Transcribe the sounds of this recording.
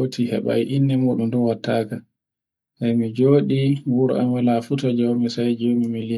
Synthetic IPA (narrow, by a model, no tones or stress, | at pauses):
otʰihɛ̰ɓa̰jʔinːɛmuɗumdɔwatːaːka | sajmid͡ʒoːɗiwuɾɔ̰a̰malafutɔd͡ʒɔwmɛsajd͡ʒomimili